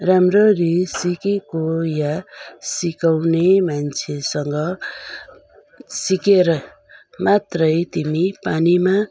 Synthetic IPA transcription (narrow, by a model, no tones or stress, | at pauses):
ramrorisikekojasikawnemant͡sʰesʌŋɡʌ | sikeɾʌ | mat̪rʌjt̪imipanima